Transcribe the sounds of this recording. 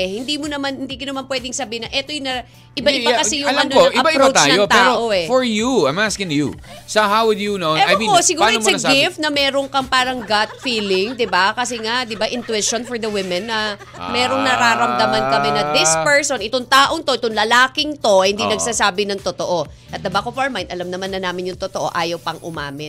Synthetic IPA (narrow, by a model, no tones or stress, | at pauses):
hɪnd̪imonɐmanhɪnd̪iːkɐnɐmanpwɛːd̪ɪŋsɐbiɪnɐʔɛt̪ojʊnɐ | ʔɪbaʔɪbakɐsɛjʊŋɐnoɪɐbaɾt̪t͡ʃaːɐjot̪ɛːɾoʔoɛfɔɹjuajmɐaskɪnjṵ | sɐɦawɪd̪junoɐjmĩposɪɡuaɐmɐɡɪfnɐmɛːɾo̞ŋkɐŋpaːɾɐŋɡat̪̚fiːlɪŋd̪ɪbakɐsɛŋad̪ɪbaʔɪnt̪wɪʃonfɔɹd̪ɐwɪmɛnːɐ | mɛːɾoŋnɐɾaːɾɐmd̪ɐmɐnkɐmɛnɐd̪ɪspɛɹso̞nʔɪt̪oŋt̪aːʔoŋt̪o̞ʔɪt̪oŋlɐlaːkɪŋt̪o̞hɪnd̪inɐɡ̥̚saːsaːbɪnɐŋt̪ot̪o̞ʔoʔɐt̪̚d̪ɐbakofɐɹmajnt̪ʔɐlɐmnɐmanɐnːaːmɪnjʊŋt̪ot̪oʔo̞̰ʔaːjɐwpɐŋʔʊma̰ːmɪt̪̚